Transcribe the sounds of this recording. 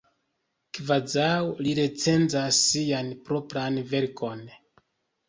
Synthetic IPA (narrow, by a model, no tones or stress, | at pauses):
kvad͡zawliɾe̞t͡se̞nzasːianpɾo̞pɾanve̞ɾkʰo̞n